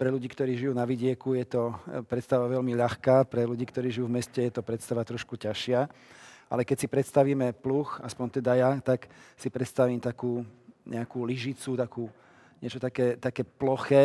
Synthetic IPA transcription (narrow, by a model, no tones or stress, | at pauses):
pɾɛʎuɟiːkt̪ɔɾiːʒijuːnaʋiɟɪɛkujɛt̪ɔpɾɛt̪st̪aʋaʋɛʎmiʎaxkaːpɾɛluɟiːkt̪ɔɾiːʒijuːvmɛscɛjɛt̪ɔpɾɛt̪st̪aʋat̪ɾɔʃkucaʃɪaʔa̰lɛkɛcsipɾɛt̪st̪aʋiːmɛpluːxaspɔɲt̪ɛd̪ajat̪aksipɾɛt̪st̪aʋiːmt̪akuːɲɛ̰akuːliʒit͡sut̪akuː | ɲɪɛt͡ʃɔt̪akɛːt̪akɛːplɔxɛː